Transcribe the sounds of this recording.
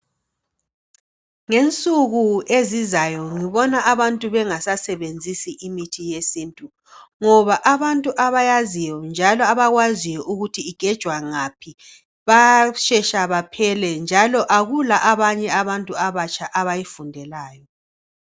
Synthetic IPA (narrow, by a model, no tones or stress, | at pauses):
ŋent͡sʼuɣuezizajɔŋiβɔnaaβantʼuβɛŋasasɛβend͡zʱisiʔimitʰijesiːntʼu | ŋɔβaʔaβantʼuʔaβajazijɔnd͡ʒʱalɔaβaɣwazijɔʔuɣutʰiːɡ̥ʱɛd̥ʒ̥ʱwaŋapʰi | βaʃɛʃaβapʰɛlɛnd͡ʒʱalɔʔaɣulaʔaβaɲɛaβantʼuaβat͡ʃʰʼaʔaβajifundʱɛlaːjɔ